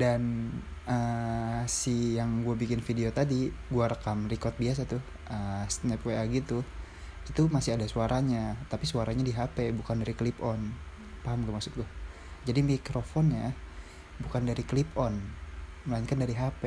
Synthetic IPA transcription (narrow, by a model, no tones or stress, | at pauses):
danə | sijaŋɡuabikɪnfideot̪adiɡuaɾəkamrikɔrt̪̚bias̬at̪ʊh | əsnɛpweaɡit̪u | it̪umasɪadasuaɾʔaɲat̪apisuaɾaɲadiɦapebukandaɾiklipɔn | paɦamɡamaksʊt̪̚ɡua | d͡ʒadimikɾofɔnja | bukandaɾiklipɔnməlaiɲkandaɾiɦape